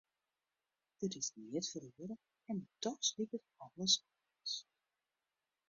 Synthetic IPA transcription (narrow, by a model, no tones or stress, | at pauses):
ətɪsnɛtfərøəɾə | ɛndɔtslikətɑləsɔ | əs